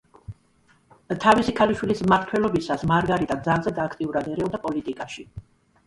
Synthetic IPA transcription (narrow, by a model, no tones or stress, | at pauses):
t̪ʰavisikʰaliʃwilismaɾt̪ʰwɛlˠɔbisasmaɾɡaɾit̪ʼad̪zalˠzɛd̪aːkʰt̪ʼiuɾad̪ɛɾɛɔd̪apʼɔlit̪ʼikʼaʃi